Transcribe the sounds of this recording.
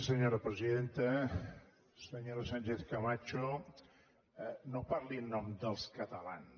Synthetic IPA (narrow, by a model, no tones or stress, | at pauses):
səɲoɾəpɾəziðent̪ə | səɲoɾasaɲʲt͡ʃeθkamat͡ʃo | nopaɾlinːɔmd̪əlˠskət̪əlan